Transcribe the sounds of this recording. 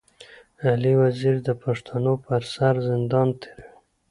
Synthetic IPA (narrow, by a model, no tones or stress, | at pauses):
aliwaziɾd̪əpaʂt̪ʰanopəɾsaɾzɪnd̪ɑnt̪ʰe̥ɾe